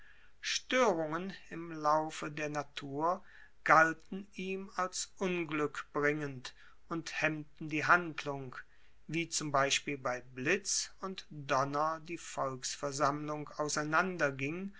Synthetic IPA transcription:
ʃtøːʁʊŋənɪmlaʊfədeːɐnatʰuːɐ | ɡ̥altn̩iːmalsʔʊnɡlʏkb̥ʁɪŋənt | ʊnthɛmtn̩diːɦandlʊŋ | viːt͡sʊmbaɪʃpiːlbaɪblɪt͡sʊntd̥ɔnɐdiːfɔlksfɛɐzamlʊŋkaʊsaɪnandɐɡɪŋ

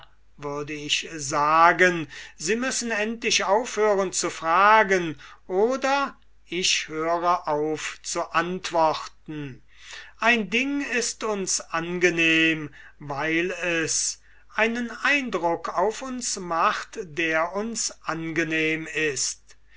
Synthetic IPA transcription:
vʏɐdəɪçzaːɡənziːmʏsn̩ɛntlɪʃaʊfhøːʁənt͡sufʁ̥aːɡənʔoːdɐ | ɪʃhøːʁəʔaʊft͡suʔantv̥ɔχtn̩ | ʔaɪndɪŋɪstʊnsʔanɡəneːm | vaɪlɛs | ʔaɪnənaɪndʁʊkʰaʊfʊnsmaχtd̥eːɐʊnsʔanɡəneːmɪst

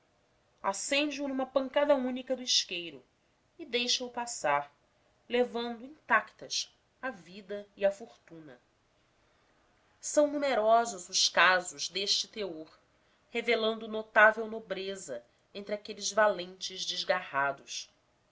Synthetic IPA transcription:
asẽnd͡ʒɪunũmɐpɐ̃ŋkad̪ɐũnikɐd̪ʊiʃkejɾʊ | id̪ejʃɐupasaɾ | levɐ̃nd̪ʊĩt̪akt̪ɐs | avid̪ɐiɐfoɾt̪ũnɐ̰ | sɐ̃w̃numeɾɔzʊzʊʃkazʊzd̪eʃt͡ʃɪt̪eoɾ | hevelɐ̃nd̪ʊnot̪avewnobɾezɐ | ẽnt̪ɾɪakelɪzvalẽnt͡ʃɪzd͡ʒɪzɡahad̪ʊs

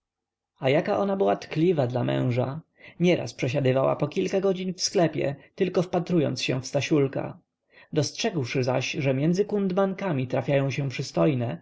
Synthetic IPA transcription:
ajakaʔɔnabɘwat̪klʲivad̪lamɛ̰̃w̃ʐa | ɲɛɾʔa̰spʂɛɕad̪ɘvawa̰pɔkʲilkaɡɔd͡ʑiɲfsklɛpʲjɛ̰t̪ɘlkɔfpat̪ɾujɔ̰nt̪sɕɛ̰̃fst̪aɕulka̰ | d̪ɔstʂɛɡwʂɘza̰ɕʐɛmʲjɛndzɘkund̪mankamʲit̪ɾafʲjajɔ̃w̃ɕɛ̃pʂɘst̪ɔjnɛ

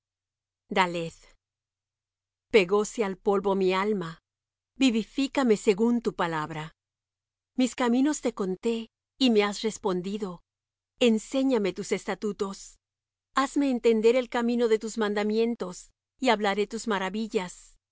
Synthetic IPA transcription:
d̪aleð | pe̞ɣosealpo̞lβo̞mialma | biβifikame̞se̞ɣunt̪upalaβɾa | miskamĩno̞st̪e̞ko̞nt̪e̞ | ime̞asre̞spo̞nd̪iðo̞ | ense̞ɲame̞t̪use̞st̪at̪ut̪o̞s | azme̞ːnt̪e̞nd̪e̞ɾe̞lkamĩno̞ðe̞t̪uzmãnd̪amje̞nt̪o̞s | iaβlaɾe̞t̪uzmaɾaβiʝas

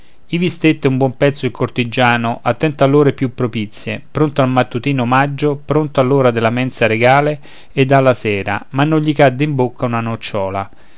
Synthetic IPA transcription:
ivist̪et̪ːɪumbwɔmpɛt̪sːoilkort̪id͡ʒaːnoʔat̪ːɛnt̪alːoːɾepjupːɾopit̪sːjepɾont̪oalmat̪ːut̪iːnomad͡ʒːopɾont̪oalːoːɾad̪elːamɛnt̪saɾeɡaːle | ed̪ːalːasɛːɾa̰manːoʎʎikad̪ːeimbokːaunanot͡ʃːɔːla̰

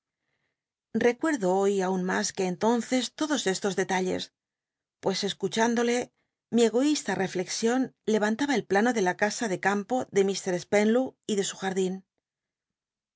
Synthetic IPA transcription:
re̞kwe̞ɾðo̞o̞jaunmaske̞ːnt̪o̞nθe̞st̪o̞ðo̞sest̪o̞zðe̞t̪aʎe̞̰s | pwe̞se̞skut͡ʃand̪o̞le̞ | mie̞ɣ̞o̞ist̪are̞fle̞ksjo̞nle̞β̞ant̪aβaelplano̞ðe̞lakasaðe̞kampo̞ðe̞mist̪e̞ɾe̞spe̞nluiðe̞suxaɾðin

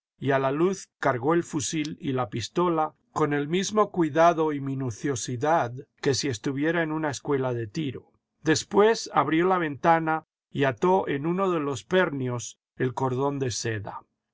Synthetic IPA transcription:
ialaluθkaɾɣo̞e̞lfusililapist̪o̞la | ko̞ne̞lmizmo̞kwiðaðo̞iminuθjo̞siðaðke̞sie̞st̪uβje̞ɾaenunaeskwe̞laðe̞t̪iɾo̞ | d̪e̞spwe̞saβɾjo̞laβ̞e̞nt̪ana | iat̪o̞ʔe̞nuno̞ðe̞lo̞spe̞ɾnjo̞s | e̞lko̞ɾðo̞nd̪e̞se̞ða̰

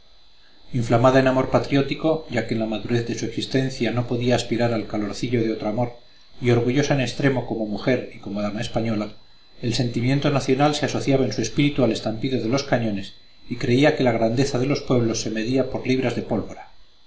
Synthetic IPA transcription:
iɱflamaðaenamo̞ɾpat̪ɾjo̞t̪iko̞ʝake̞nlamaðuɾe̞θðe̞sue̞ksist̪e̞nθjano̞po̞ðiaːspiɾaɾalkalo̞ɾθiʎo̞ð̞eo̞t̪ɾoamo̞ɾ | io̞ɾɣuʝo̞saene̞st̪ɾe̞mo̞ko̞mo̞muxe̞ɾiko̞moðamaespaɲo̞la | e̞lse̞nt̪imje̞nt̪o̞naθjo̞nalse̞aso̞θjaβae̞nsue̞spiɾit̪uale̞st̪ampiðoðe̞lo̞skaɲo̞ne̞s | ikɾe̞iake̞laɣ̞ɾand̪e̞θaðe̞lo̞spwe̞βlo̞sːe̞me̞ðiapo̞ɾliβ̞ɾazðe̞po̞lβo̞ɾa

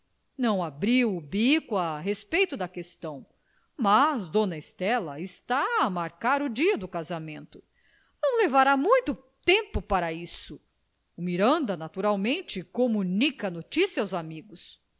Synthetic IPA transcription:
nɐ̃w̃abɾiwʊbikʊaɦespejt̪ʊd̪ɐkest̪ɐ̃w̃ | mazd̪õnɐest̪ɛlɐɪst̪aːmaɾkaɾʊd͡ʒiɐd̪ʊkazamẽnt̪ʊ | nɐ̃w̃levaɾamũj̃t̪ʊt̪ẽmpʊpaɾɐisʊ | ʊmiɾɐ̃nd̪ɐnat̪uɾawmẽnt͡ʃɪkomunikɐnot͡ʃisjɐawzamiɡʊs

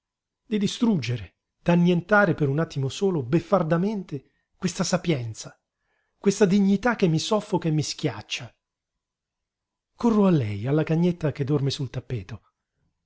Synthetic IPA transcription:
d̪id̪ist̪ɾud͡ʒːeɾe | d̪̥anːjent̪aːɾepeɾunat̪ːimosoːlobefːard̪ament̪e | kwest̪asapjɛnt̪sa | kwest̪ad̪iɲːit̪akːemːisɔfːokamːisk̟ja̰t͡ʃːa | korːoalːɛ̰jalːakaɲːet̪ːaked̪ɔrmesult̪apːɛːt̪o

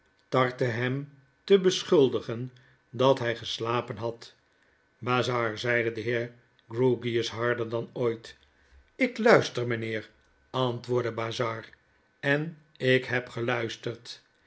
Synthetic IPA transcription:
tɑɹtəɦɛm | təbəsχʏlˠdəχən | dɑtɦɛjχəslaːpənɦɑt | baːzɑːɹzɛjdədəɦɪːɹ | ɡɹuɡiəsɦɑɹdəɹdɑnojt | ɪklœɥstəɹmənɪːɹ | ɑntʋʊːɹdəbaːzɑːɹ | ɛn | ɪkɦɛpχəlœɥstəɹt

